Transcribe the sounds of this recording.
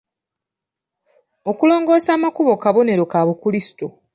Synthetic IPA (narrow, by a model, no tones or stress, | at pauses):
o̞kulo̞ːŋɡo̞ːsaːmakuβo̞kaβo̞ne̞ɾo̞kaβukulisi̥to̞